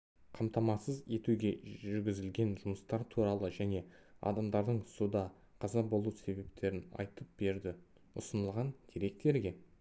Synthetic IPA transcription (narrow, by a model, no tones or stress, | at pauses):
qʰɑmt̪ɑmɑsəze̞t̪uɡʲe̞ʒʏɾɡʲɪzɪlɡʲe̞nʒʊməst̪ɑɾt̪ʰuɾɑlˠəʒæne̞ | ɑ̰d̪ɑmd̪ɑɾd̪əɴsud̪ɑ | qʰɑzɑbo̞lˠuse̞be̞p̚t̪ʰe̞ɾɪnɑ̰jt̪əp̚be̞ɾd̪ɪ | ʊsənəlˠʁɑnk̪ʲʰeɾe̞k̚t̪e̞ɾɡʲe̞